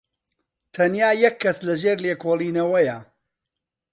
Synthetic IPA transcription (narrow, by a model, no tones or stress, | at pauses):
t̪ʰɐnjaːjɐkʰːɐslɐʒeːɾleːkoːlˠiːnɐwɐjɐ